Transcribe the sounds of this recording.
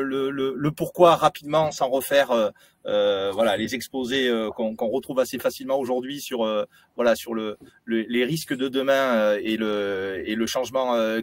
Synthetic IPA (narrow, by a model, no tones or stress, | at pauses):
lələləpuʁkwaʁapid̪mɑ̃sɑ̃ʁəfɛʁø | øvwalalezɛkspozeøkɔ̃kɔ̃ʁət̪χuvasefasilmɑ̃oʒuʁd̪ɥisyʁø | vwalasyʁləleleʁiskəd̪əd̪əmɛ̃øeləeləʃɑ̃ʒmɑ̃ø